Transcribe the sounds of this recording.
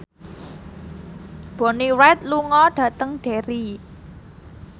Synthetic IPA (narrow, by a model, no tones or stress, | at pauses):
b̥o̤niwɛt̪̚luŋɔɖ̥ä̤t̪əŋɖ̥e̤ɾi